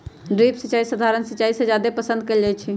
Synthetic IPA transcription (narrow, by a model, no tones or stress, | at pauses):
ɖɾipsət͡ʃaːisəd̪ʱaɾənsət͡ʃaised͡ʒjad̪epəsə̃nd̪̚kəld͡ʒat͡ʃʰi